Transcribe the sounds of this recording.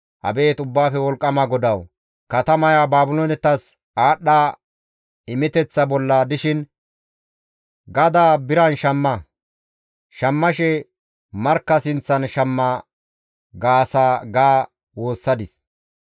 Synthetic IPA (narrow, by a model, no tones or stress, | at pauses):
ʔɐ̰be̞ːt̪ʊbːaːfɛwɔlkʼːɐmɐɡɔd̪ɐw | kɐt̪ɐmɐjaːbaːbʊloːnɛt̪ːɐs | aːɗːaː | ɪmɪt̪ɛt͡sːɐbɔlːaːd̪ɪʃɪn | ɡɐd̪aːbɪɾɐnʃɐmːɐ | ʃɐmːɐʃɛ | mɐɾkːɐsɪnt͡sːɐnʃɐmːa | ɡaːsaːɡaː | wo̞ːsːɐd̪ɪs